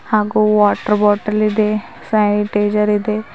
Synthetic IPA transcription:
haːɡuʋaːʈɐɾbɔːʈɐlid̪e | sɐjniʈeːd͡ʒɐɾid̪e

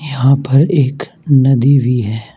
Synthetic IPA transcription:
jɐɦãpɐɾeːk | nɐd̪iʋiɦɛː

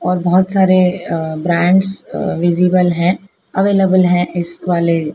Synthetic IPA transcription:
ɔːɾbɔɦʊt̪saːɾebɾɛ̃ːɳɖsʋɪziːbəlɦɛ̃ | ɐʋeːləbəlɦɛ̃ʔɪsʋaːle

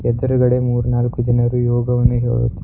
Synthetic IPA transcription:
ɛd̪ɐɾuɡɐɽemuːɾnaːlkud͡ʒɐnɐɾujoːɡɐʋɐnːuɦḛːɽṵt̪ːu

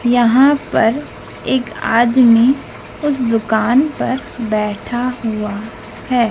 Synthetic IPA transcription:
jɐɦãpɐɾ | eːka̰ːd̪mi | ʊs̬d̪ʊkaːnpɐɾbɛːʈʰaɦua | hɛː

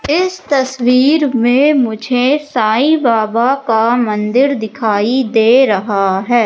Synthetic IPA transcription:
ɪst̪ɐswiːɾmẽmʊd͡ʒʱesaːibaːbakamə̃nd̪ɪɾd̪ɪkʰaːid̪eːɾɐɦaɦɛː

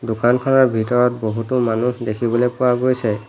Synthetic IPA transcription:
dʊkankʰɔnɔɹbʱitɔɹɔt̚boɦutʊmanuhdekʰibɔlepʊwaɡojsɛ

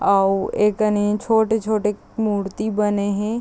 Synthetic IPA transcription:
aːeːkɐnet͡ʃʰoːʈet͡ʃʰoːʈe | muːɾt̪ibɐneɦɛ̃

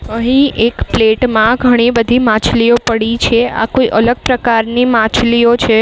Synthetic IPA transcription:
əɦĩʔekpleʈmãɡʱəɽ̃ibəd̪ʱimãt͡ʃliopəɽit͡ʃʰea̰koiʔələɡ̚pɾəkaɾnimãt͡ʃliot͡ʃʰe

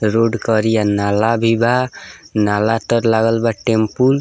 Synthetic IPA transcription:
ɾoɖkəɾijanalabʱiba | nalat̪əɾlaɡəlbaʈempul

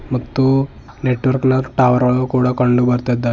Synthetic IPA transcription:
məɡt̪u | neʈʋəɾknaʈaʋəɾaɭokuɽakəɳɖubəɾt̪at̪̚d̪a

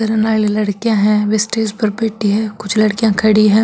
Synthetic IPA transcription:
ɐɾenaːlilɐɽkijãɦɛ̃ʋesʈeːzpɐɾbeːʈiɦɛ̃ːkʊt͡ʃʰlɐɽkijãkʰɐɽiɦɛ̃ː

